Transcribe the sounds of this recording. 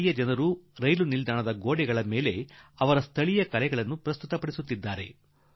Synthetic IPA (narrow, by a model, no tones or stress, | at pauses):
jɐd͡ʒɐnɐɾuɾɐjlunild̪aːɳɐd̪ɐɡoːɽɛɡɐɭɐme̞ːle̞ɐʋɐɾɐst̪ʰɐɭijɐkɐlɛɡɐɭɐnːupɾɐst̪ut̪ɐpɐɽisut̪ːid̪ːaːɾe̞